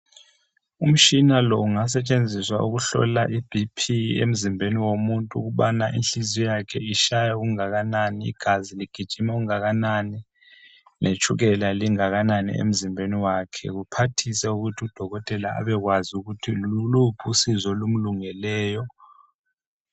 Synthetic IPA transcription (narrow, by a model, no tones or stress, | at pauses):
um̩t͡ʃʼinalɔuŋas̬ɛt͡ʃʼend͡zʱiswa̰uɣuɬɔ̰laʔib̥ʱipʰiḛm̩zimbʱeniwomuntʼuɣuɓanaʔḭnɬizijakʰɛiʃajauɣuŋaɣananiḭɡ̥ʱaziliɡ̥ʱid̥ʒ̥ʱimɛuɣuŋaɣanani | nʔet͡ʃʰʼuɣɛlaliŋaɣananḭḛm̩zimbʱeniwakʰɛ̰ɣupʰatʰisɛuɣutʰiud̥ʱɔɣɔtʼɛlaa̰βɛɣwazuɣutʰilulupʰusizɔlum̩luŋɛlɛːjɔ